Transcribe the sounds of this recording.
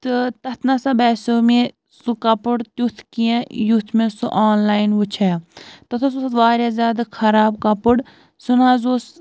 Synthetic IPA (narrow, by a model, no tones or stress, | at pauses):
t̪ɨt̪ɐt̪ʰnasabɛːsoːmẽ | sukɐpɨɽt̪jut̪ʰkijẽjut̪ʰmẽsṵʔaːnlaːjnʋut͡ʃʰɛːt̪ɐt̪ʰɐsuʋaːɾʲjaːzʲjaːd̪akʰɐɾaːbkɐpuɽ | sunãːzoːs